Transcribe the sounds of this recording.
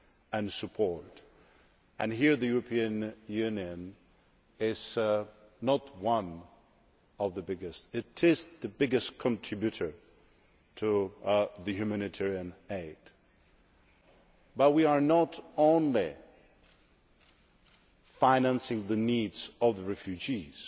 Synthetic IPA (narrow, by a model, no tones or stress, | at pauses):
ɨ̃nsɨpʰɔɹt | ɨ̃nɦiɹðɨjuɹəpʰiɨ̃njʉnjɨ̃n | ɪz̥ | nət̚wʌ̃n | ʌvðəbɪɡɨstɪɾɪzðɨbɪɡɨstkʰə̃ntʰɹ̥ɪbjʉɾə˞ | tʰɨðɨhjʉmænɨtʰɛɹiɨ̃neɪd̥ | bʌt̚wiə˞nəɾõʊ̃nli | fãɪ̃næ̃nsɪ̃ŋðɨnidz̥ʌvðəɹɛfjʉd͡ʒiz̥